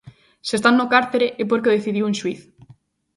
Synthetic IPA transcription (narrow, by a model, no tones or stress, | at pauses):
sest̪anːokaɾt̪eɾeʔep̬oɾkeðeθiðiwẽnʃwiθ